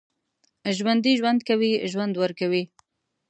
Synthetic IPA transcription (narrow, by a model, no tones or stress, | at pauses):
ʒwand̪iʒwand̪kawiʒwand̪wəɾkawi